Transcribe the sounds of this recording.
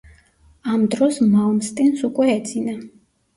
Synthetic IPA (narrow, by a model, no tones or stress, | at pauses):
amd̪ɾɔsmaɔmst̪ʼinsukʼwɛɛd̪zina